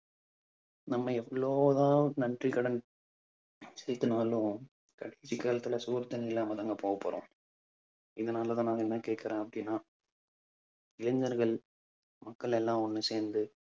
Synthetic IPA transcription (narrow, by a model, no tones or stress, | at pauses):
nɐmːɐɛʋɐɭoːðaːnɐndrikɐɽɐn | sɛːɾt̪ɯnaːlʊ̃ | kɐɽeːsikːaːlɐt̪ːɯlɐsuːɾt̪ːɐnɐɪlːaːmɐðɐŋɡɐpoːɣɐpːɐ̰ɾõ̰ː | ɪðɐnaːlɐt̪ãːnaːɣɐɛnːãːkeːʈ̚kɪɾẽːɐpːɐɽɪnːaː | ɪlɐɲd͡ʒɐɾɣɐɭ | mɐkːɐɭɛlːãːɔnːɯseːɾnd̪ɯ